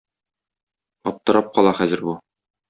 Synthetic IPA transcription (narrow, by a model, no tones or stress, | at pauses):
ɒp̚t̪ɤ̆ɾɑp̚qɒlˠɑχæzɘ̆ɾbu